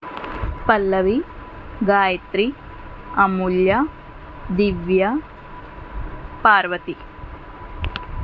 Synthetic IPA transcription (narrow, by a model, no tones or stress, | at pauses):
pɐlːɐʋi | ɡaːjɐt̪ɾi | ɐmuljɐ | d̪iʋjɐ | paːɾʋɐt̪i